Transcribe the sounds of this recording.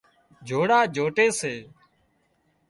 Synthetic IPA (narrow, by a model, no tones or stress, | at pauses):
d͡ʒʱoːɽaːd͡ʒʱoːʈeːseː